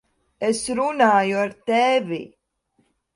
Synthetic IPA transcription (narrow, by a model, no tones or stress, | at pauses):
esɾunaːjuaɾt̪ɛvḭ